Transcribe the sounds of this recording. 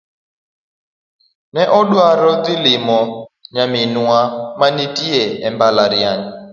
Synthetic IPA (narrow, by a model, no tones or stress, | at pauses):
nɛʔɔɗwaɾɔd̪ɪlɪmɔɲamɪnwamanitiɛɛmbalaɾjaɲa